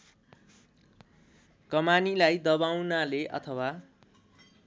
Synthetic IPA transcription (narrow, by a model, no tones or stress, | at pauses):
kʌmanilajd̪ʌbawnaleʔʌ̰t̪ʰʌwa